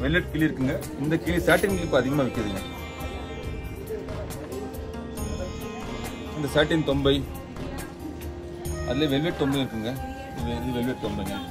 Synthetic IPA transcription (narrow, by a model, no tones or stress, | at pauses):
ʋɛlʋɛʈ̚kiːliɪɾɯkːɯŋɡɐ | ɪnd̪ɐkiːlisaːʈːɪŋɪkːɪpːõːɐðɪɣɐmaːʋɛkːɾɐðɯŋɡɐ | ɪnd̪ɐsaːʈːɪŋt̪ɔmbɐɪ | ɐðɪleːʋɛlʋeʈ̚t̪ɔmbɐɪɪɾɯkːɯŋɡɐ | ʋðɯʋɛlʋɛʈ̚t̪ɔmbɐŋɡɐ